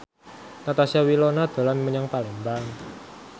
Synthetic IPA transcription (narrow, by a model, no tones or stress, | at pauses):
nat̪asiawilɔnad̪̥a̤lanməɲaŋpalɛmbaŋ